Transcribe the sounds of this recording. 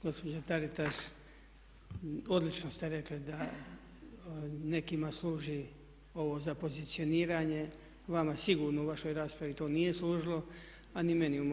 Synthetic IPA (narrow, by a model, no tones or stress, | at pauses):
ɡ̥o̞spod͡ʒot̪aɾit̪aʃ | o̞d̪lit͡ʃnost̪eɾe̞klid̪a | ne̞kimasluːʒi | o̞ʋo̞ːzapo̞zit̪sio̞niːɾaːɲe̞ | ʋamasiɡuːɾnouʋaʃo̞jɾaːspɾaʋit̪oːnije̞sluːʒilo̞ | anime̞nium